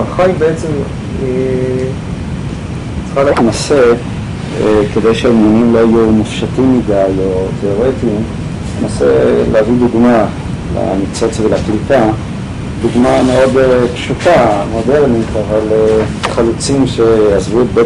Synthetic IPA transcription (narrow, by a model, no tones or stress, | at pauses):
aχajbeet͡se̞m | e | t͡sχalatnase | ked̪e̞jʃeamunimlo̞ajumufʃatimːidajo̞t̪ʰe̞o̞ʁet̪im | nenasḛleavid̪uɡma | la̰mit͡so̞t͡svelaklipa | d̪uɡmameo̞depʃutamo̞de̞ʁnit̪avale | χalut͡simʃeazvutbee